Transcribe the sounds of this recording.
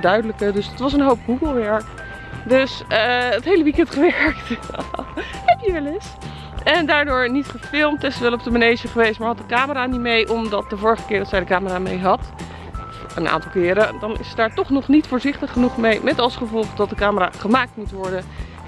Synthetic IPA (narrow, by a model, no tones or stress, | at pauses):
dœɥdələkədɵstʋɑs̬ənɦowp̚ɡuɡəlˠʋɛɹk | døsəətɦejləʋikɛntχəʋɛɹk̚t | hɛpjəʋɛlɪs | ɛndaːɹdʊːɹnitχəfɪlˠmtɛstʋɛlɔp̚dəmanejʒəχəʋejstmaːɹɦɑt̚dəkaːməraːnitmejʔɔmdɑt̚dəvʊːɹəχəkɪːɹdɑtsɛjdəkaːməraːmejɦɑt | f | ənʔa̰ːntɑlˠkɪːɾədɑnɪ̰sət̚daːɹtɔχnɔχnitfʊːɹzɪχtəχːənuχmejmɛtɑlˠsχəvɔlˠχdɑt̚dəkaːməra̰ːχəmaːk̚tmutʋɔɹdən